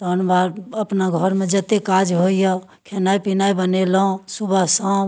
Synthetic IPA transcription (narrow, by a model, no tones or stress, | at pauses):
t̪ɔnbaɾəpnaɡʱɔɾmed͡ʒət̪ekad͡ʒɦoijɔ | kʰenaipinaibənelɔ̃subʱəsə̃